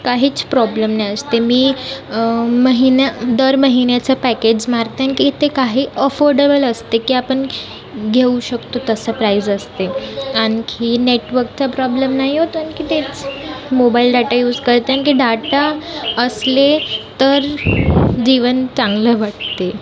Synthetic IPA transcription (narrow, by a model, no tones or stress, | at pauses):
kaɦiːt͡spɾɔbləmnajəst̪emiː | məɦinad̪əɾməɦinat͡sapæked͡ʑmaɾt̪eankit̪ekaɦiːʔəfoɾɖebələst̪ekiːapəɳ | ɡʱeuɕəkt̪ot̪əsəpɾaizəst̪eankʰineʈʋəɾk̚t͡sapɾɔbləmnaɦiɦot̪ənkiːt̪et͡smobailɖaʈajuːd͡zkəɾt̪eankiːɖaʈaəslet̪əɾ | d͡ʑiʋənt͡sãŋɡləʋaʈ̚t̪e